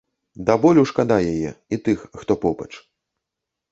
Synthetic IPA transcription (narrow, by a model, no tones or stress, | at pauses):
d̪abɔlʲuwʂkad̪ajajɛit̪ɨxːt̪ɔpɔbɐ̰t͡ʂ